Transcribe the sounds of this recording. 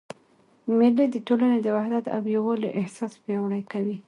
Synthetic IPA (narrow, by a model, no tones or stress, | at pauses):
mɪlid̪əʈolaned̪əwahd̪at̪a̰wjawəloʔɪhsɑspjawɽajkawi